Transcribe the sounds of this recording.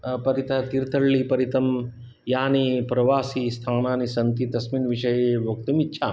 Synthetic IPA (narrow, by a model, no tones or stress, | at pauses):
pɐɾit̪ʰat̪iɾt̪ʰɐɽliːpɐɾit̪ɐm | jaːnipɾɐʋaːsist̪ʰaːnaːnisɐnt̪iːt̪ɐsmiːnʋiʂɐjeʋɐk̚t̪ɐmitːɕʰa